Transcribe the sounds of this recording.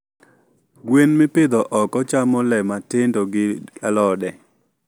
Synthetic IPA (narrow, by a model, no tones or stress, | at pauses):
ɡwenmɪpɪd̪ɔʔɔkɔt͡ʃamɔlɛmatɪndoɡɪalɔdɛ